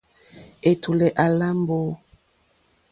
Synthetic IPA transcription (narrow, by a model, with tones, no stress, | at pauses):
e˨tʰu˨lɛ˨ʔa˨la˦mbo˦